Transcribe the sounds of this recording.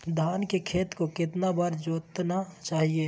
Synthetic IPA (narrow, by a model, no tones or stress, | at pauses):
d̪ʱaːnkekʰeːt̪kokɪt̪nabəɾd͡ʒoːt̪nat͡ʃaːɦie